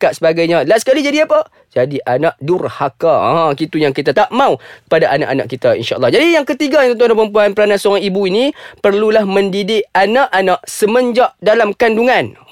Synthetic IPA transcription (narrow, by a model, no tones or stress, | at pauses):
kaʔsəbaɡajɲalasə̥kalid͡ʒadiapa | d͡ʒadiʔanaʔdurhakã̰kit̪ujaŋkit̪at̪aʔmãukə̥padaʔana̰ʔana̰ʔkit̪aḭnʃa̰ʔɑlːɑhd͡ʒadijaŋkət̪iɡajt̪ɔnt̪ʊŋnap̬əmpuanpəɾanansoɾaŋibuinipərlulahmə̃ndidɪʔanaʔanaʔsəməɲd͡ʒaʔdalamkanduŋan